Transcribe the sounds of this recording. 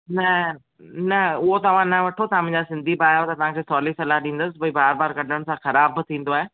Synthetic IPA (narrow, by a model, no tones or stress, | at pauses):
nɐ | nɐʊɦot̪ɐʋ̤ãnɐʋɐʈʰot̪ɐãmɪ̃ɲd͡ʑasɪ̃nd̪ʱibaːjot̪ɐt̪ɐʋ̤ãkʰeːsɔːlisɐlaɦɗĩːn̆d̪əsɪ̆bɐibaːɾbaːɾkɐɖʱəɽ̃ɪ̆sãxɐɾaːbt̪ʰĩːnd̪oaːɦeː